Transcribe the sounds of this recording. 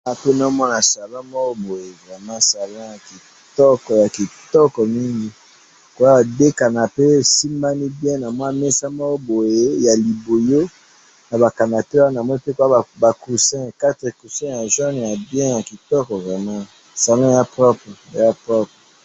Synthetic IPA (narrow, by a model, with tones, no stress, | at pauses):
a˨pe˦na˨˦mɔ˦na˨sa˨lɔ̃˦mɔ˦ko˦bo˨je˨vʁɛ˨mã˦sa˨l̃ɔ̃˦ja˨ki˨ | tɔ˦kɔ˨ja˨ki˨tɔ˦kɔ˨mi˦ŋɡi˦ | ko˨ja˦a˨de˦ka˨na˨pe˦˨si˦mba˦ni˦bjɛ̃˦na˨mwa˦mɛ˦sa˦mɔ˦ko˦bo˨je˦ja˨li˨bo˨jo˦ | na˨ba˨ka˨na˨te˦a˦na˨mɔ˦i˦pe˦ko˨˦a˦˨ba˨ku˨sɛ̃˦˨ka˦tɛ˨ku˨sɛ̃˦ja˨ʒɔ˦n˨ja˨bjɛ̃˦ja˨ki˨tɔ˦kɔ˨vʁɛ˨mã˦ | sa˨lɔ̃˦˨ja˦pʁɔ˦pχɛ˨ja˦pʁɔ˦pʁɛ˨